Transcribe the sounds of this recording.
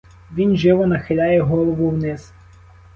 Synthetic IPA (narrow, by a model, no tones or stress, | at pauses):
ʋʲinʒɪʋɔnɐxɪlʲajɛɦɔlˠɔʋʊwnɪs